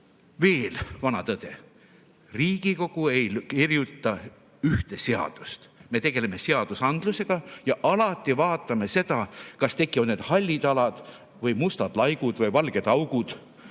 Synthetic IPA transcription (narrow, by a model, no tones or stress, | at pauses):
ve̞ːlvɑnɑt̪ɤd̪̥e̞ | riːɡ̥iko̞ɡ̥uejkirjut̪ːˑɑ | yht̪e̞se̞ɑ̰d̪̥ust̪me̞t̪e̞ɡ̥e̞le̞me̞se̞ɑd̪̥usɑnd̪̥luse̞ɡ̥ɑjɑʔɑlɑt̪ːˑivɑːt̪ˑːɑme̞se̞d̪̥ɑkɑst̪e̞kːˑiɑneːd̪̥hɑlʲːid̪ɑlɑd̪̥ | vɤjmust̪ɑd̪̥lɑjɡud̪̥vɤjvɑlɡ̥e̞d̪ɑwɡud̪̥